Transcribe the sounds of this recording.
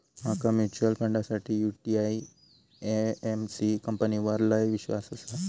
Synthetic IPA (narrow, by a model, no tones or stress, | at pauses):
m̤akamut͡ɕuəlpə̃ɳɖasaʈʰiːjuʈiai | eemsikəmpəniʋəɾlajʋiɕʋa̰səsa